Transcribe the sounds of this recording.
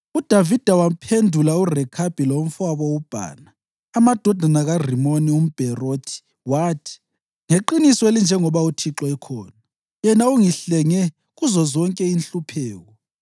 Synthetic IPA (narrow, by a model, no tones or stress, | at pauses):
ud̥ʱavid̥ʱawapʰendʱulaurɛkʰab̥ʱilom̩faβɔub̥ʱa̰ːnaː | mad̥ʱɔd̥ʱanaɣarimonium̩b̥ʱɛroːtʰi̥ | waːtʰi̥ | ŋeǃinisɔelind͡ʒʱɛŋɔβautʰiǁɔɛkʰɔ̰ːna | jɛnauŋiɬɛŋɛ | ɣuzɔzɔŋkʼɛinɬupʰɛːɣɔ